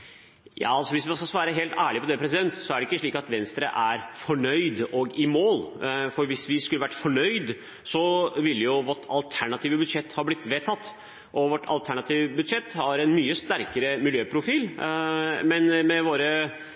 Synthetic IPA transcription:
jɑ̰ːɑlsɔʋɪs̬ʋɑnskɑsʋɑːɾəɦeːlt̪æːɭɪpʰɔd̪ɛpʰɾɛs̬ɪd̪ɛnt̪sɔæɖɛɪkːəʂɭiːkɑt̪ʋɛnst̪ɾə̰ʔæɾfɔɳœʏd̪ɔɡɪmoːlfɔɾʋɪsʋɪskʉləʋæʈːfɔɳœʏd̪ | sɔʋɪlːəjʊʋɔʈɑlt̪ʰæɳɑt̪ʰiːʋəbʉd̪ʂɛt̪ːhɑblɪt̪ːʋeːt̪ʰɑt̪ː | ʔɔʋɔʈʰɑ̰lt̪ʰæɳɑt̪ʰiːʋbʉd̪ʂɛt̪ːhɑɾɛnmyːəst̪æɾkəɾəmɪljøːpʰɾʊfiːl | mɛnmɛʋoːɾə

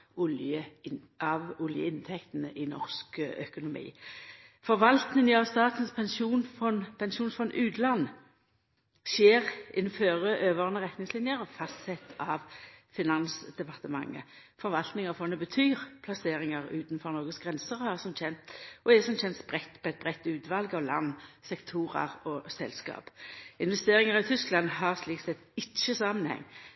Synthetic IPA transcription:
ʊljə | ɑʋʊljə̰ɪnt̪ʰɛkt̪ənəʔɪnɔ̰ʁskœkʊnʊmḭː | fɔʁʋɑlt̪nɪŋəɑʋst̪ɑːt̪ən̩spʰɛnsuːnfɔnpʰɛnʃuːnfɔnʔʉːt̪lɑnː | sjeːʁɪnːføːʁəʔøːʋəʁnəʁɛt̪nɪŋslɪnjəʁɔfɑst̪sɛt̪ʰɑːʋfɪnɑnsd̪ɛpɑʁt̪əmɑ̰ŋːə̰ | fɔʁʋɑlt̪nɪŋɑfɔnːəbət̪ʰyːʁpʰlɑseːʁɪŋəʁʉ̰ːt̪nfɔʁnɔʁɡəsɡʁɛnsəʁhɑʁsɔmçɛnt̪ʔɔɛsɔmçɛnt̪sb̥ʁɛt̪ːpʰɔɛɪt̪̚bʁɛt̪ːʉːt̪ʋɑlɡɑʋlɑ̰nːsɛkt̪ʰuːʁɑ̰ʁɔsɛlskɑ̰ːpɪnʋɛst̪eːʁɪŋəʁɑt̪ʰʏsklɑnɦɑʁsliːk̪sɛt̪ɪt͡ʃːəsɑmənhɛ̰ŋː

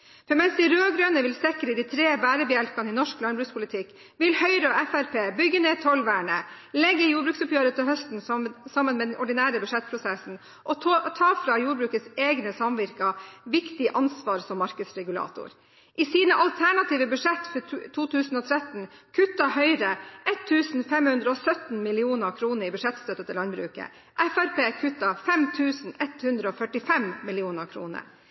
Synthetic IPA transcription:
fɔɾmɛnsd̪ɪɾøːɡɾøːnəʋɪlsɛkəɾəd̪ɪt̪ʰɾeːbæːɾəbəjɛlpɑnɪnɔʂklɑnbɾʉːspʰʊlɪt̪ʰɪkː | ʋɪlhœʏɾəɔɛfæɾpʰeːbʏɡːəneːt̪ʰɔlʋæːɳə | lɛɡːəjuːbɾʉːksʊpjøːɾət̪ʰɪlɦœst̪n̩sɑmːənmɛːd̪ɛnʔɔɖɪnæːɾəbʉʂɛt̪̚pʰɾʊsɛsn̩ | ʔɔt̪ʰɑːfɾɑjuːɾbɾʉːkət̪seːɡnəsɑmʋɪɾkɑʋɪkt̪ɪʔɑnsʋɑːɾsɔmːɑɾkəd̪sɾɛɡʉlɑ̰ːt̪ʊ̰ɾ | ʔɪsiːnəʔɑlt̪ʰæɳɑt̪iːʋəbʉʂɛt̪ːfɔt̪ʰuːt̪ʰʉːsn̩ɔːt̪ʰɾɛt̪n̩kʰʉt̪ːɑɦœʏɾəʔɛt̪ʰːʉːsn̩fɛmhʉnd̪ɾəɔsœt̪n̩mɪlɪuːnəkʰɾuːnəɾɪbʉʂɛt̪st̪œt̪ːət̪ɪlɑnbɾʉ̰ːkə̰ | ʔɛfæɾpeːkʰʉt̪ːɑfɛmt̪ʰʉːsn̩ɛt̪hʉnd̪ɾəɔːfœʈɪfɛmmɪlɪuːnəkʰɾṵːnə̰

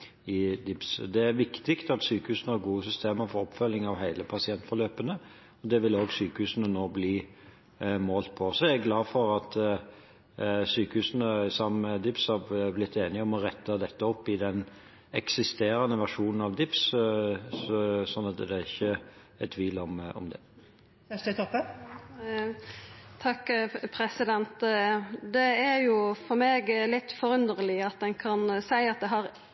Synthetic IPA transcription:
ɪd̪ɪpsd̪ɛæɾʋɪkt̪ɪkt̪ɑt̪syːkəhʉːsənəhɑɾɡuːəsʏst̪eːməɾfɔɾɔpːfœlːɪŋɑʋɦæɪləpʰɑsɪɛnt̪fɔɾløːpənə | ɔd̪ɛʋɪloːɡsyːkəhʉːsənənoːbliː | moːlt̪̚pʰɔsɔɛɛɡlɑːfɔɾɑt̪ | syːkəhʉːsənəsɑməd̪ɪpshɑblɪt̪ʰːeːnɪɔmɔɾɛt̪ːəd̪ɛt̪ːəɔpːɪd̪ɛn | ɛksɪst̪eːɾənəʋæʁʂuːnn̩ɑʋd̪ɪps | sɔnːɑt̪d̪ɛæɾɪçːə | ɛt̪ʰːʋiːlɔmɔ̰md̪ɛ̰ | ɛst̪ət̪ʰɔpːə | t̪ʰɑkːpʰɾɛsɪd̪ɛnt̪d̪ɛæɾjʊfɔɾmeːɡlɪt̪ːfɔɾʉnd̪əʁəlɪɑt̪̚d̪ɛnkʰɑnsæɪɑt̪̚d̪ɛɦɑɾ

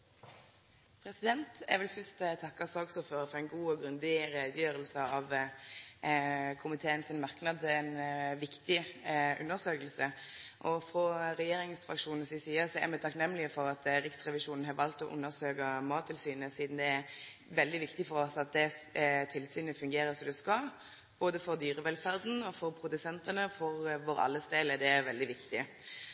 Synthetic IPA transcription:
pʰɾɛsɪd̪ɛnt̪æ̰ʋɪlfœst̪t̪ʰɑkːɑsɑɡsuːføːɾəfɔɾɛɪnɡuːɔɡɾʉnd̪ɪɾeːd̪əjøːɾəlsəɑʋ | kʰʊmɪt̪ʰeːənsɪnmɑʁknɑd̪ɛnʋɪkt̪ɪʔʉ̰nːəʁsøːkəlsəʔɔfʁɔɾɛjeːɾɪŋsfʁɑkʂuːnn̩sɪsiːəɾsɔæ̰ɾmæt̪ʰɑknɛmːlɪəfɔɾɑt̪ɾɪksʁɛʋɪʂuːnn̩ɦɑʋɑlt̪ɔʔʉ̰nːəʁsøːkəmɑːt̪ʰːɪlsyːnəsiːd̪n̩d̪ɛæ | ʋɛld̪ɪʋɪkt̪ɪfɔɾɔsɑt̪̚d̪ɛt̪ʰɪlsyːnəfʉŋɡeːɾəsɔmd̪ʉskɑl | b̥oːd̪əfɔɾd̪yːʁəʋɛlfæɾd̪n̩ɔfɔɾpʰɾʊd̪ʉsɛnt̪ənəfɔɾʋoːɾɑ̰lːəst̪eːləd̪ɛæɾʋɛld̪ɪʋɪkt̪ɪ

